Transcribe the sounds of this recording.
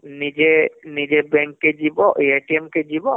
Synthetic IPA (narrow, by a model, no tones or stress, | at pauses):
nid͡ʒenid͡ʒebɛ̃ŋkːed͡ʒibɔʔieʈiɛmked͡ʒibɔ